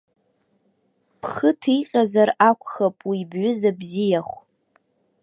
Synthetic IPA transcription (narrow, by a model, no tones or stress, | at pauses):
pʰχətʰiqʲʼazarakʷʰʼχapʼwibɥʊzabzijaχʷ